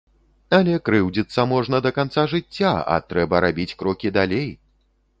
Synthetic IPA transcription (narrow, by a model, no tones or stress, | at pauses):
ɐlʲɛkɾɨwd͡zʲit̪sːɐmɔʐnɐd̪ɐkant̪saʐɨt͡sʲːaɐ̰t̪ɾɛbɐɾabʲit͡sʲkɾɔkʲid̪alʲej